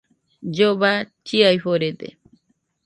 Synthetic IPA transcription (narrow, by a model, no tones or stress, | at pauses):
d͡ʒoβat͡ʃiajɸoɾed̪ḛ